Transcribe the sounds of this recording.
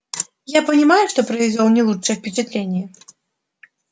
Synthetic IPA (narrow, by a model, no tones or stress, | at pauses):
japɐnʲimajuʂt̪ɔpɾɐvʲɛzʲɔwnʲɛlˠut͡ʂt͡ʂɨjɛfpʲɛt͡ʃɛt̪lʲenʲːɛ